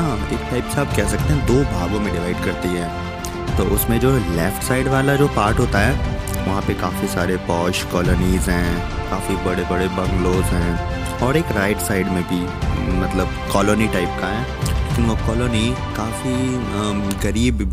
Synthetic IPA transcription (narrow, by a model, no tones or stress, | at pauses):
ɦãːeːkʈaːɪpsaːb̚kɛːɦsɐk̚t̪ẽɦɛ̃d̪oːbʱaːɡõmẽɖɪʋaːɪɖkɐɾt̪iɦɛ̃ː | t̪oːʔʊsmẽd͡ʒoːlɛːfʈsaːɪɖʋaːlad͡ʒoːpaːɾʈɦoːt̪aɦɛː | ʋɐɦãpekaːfisaːɾepɔːʃkɔːlɔːniːzɦɛ̃ː | kaːfibɐɽebɐɽebɐ̃ŋɡloːzɦɛ̃ː | ɔːɾeːkɾaːɪʈsaːɪɖmẽbʱi | mɐt̪ləbkɔːloːniʈaːɪp̚kaɦɛ̃ː | leːkɪnʋokɔːloːnikaːfi | ɣɐɾiːb